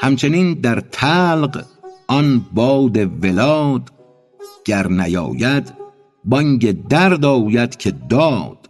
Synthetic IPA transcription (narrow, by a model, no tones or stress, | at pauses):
hæmt͡ʃʰe̞niːnd̪æɾt̪ʰæːlɢɒnbɒːd̪e̞velɒːd̪̥ | ɟ̥æɾnæjɒ̰ːjæd̪ | bɒŋɟed̪æɾd̪ɒːjæd̪̥cʰe̞d̪ɒːd̪̥